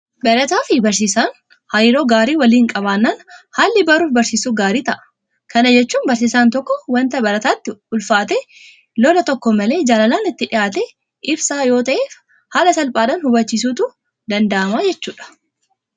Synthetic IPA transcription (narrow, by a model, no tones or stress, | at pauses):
bɛɾɐt̪aːfɪbɐɾsiːsaːn | hɐjɪɾoːɡaːɾiːwɐliːŋkʼɐβaːnːaːnhaːlːɪbɐɾuːfbɐɾsiːsuːɡaːɾiːt̪ɐʔɐ̥ | kɐnɐd͡ʒɛt͡ʃːuːnbɐɾs̬iːsaːnt̪ɔkːɔwɐnt̪ɐbɐɾɐt̪aːt̪ːɪʊlfaːt̪eː | lɔlɐt̪ɔkːɔmɐle̞ːd͡ʒaːlɐlaːnɪt̪ːɪᶑɪjaːt̪e | ʔɪbsaːjo̞ːt̪ɐʔeːf | haːlɐsɐlpʼaːᶑaːnhʊbɐt͡ʃːiːs̬uːt̪u | d̪ɐnd̪ɐʔɐmaːd͡ʒɛt͡ʃːuːᶑɐ̥